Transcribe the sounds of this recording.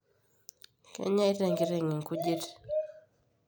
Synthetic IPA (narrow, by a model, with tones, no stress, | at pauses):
kɛ̰˦ɲa˦i˦ɾɛ˨ŋɡi˦ɾɛ˨ŋi˨ŋ̩˨ku˦ʄi˦ɾɛ˨